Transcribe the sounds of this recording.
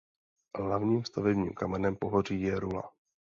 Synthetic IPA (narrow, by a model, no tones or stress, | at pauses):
ɦlavɲiːmst̪avɛbɲḭːmkamɛnɛmpo̞ɦor̝iːjɛɾula̰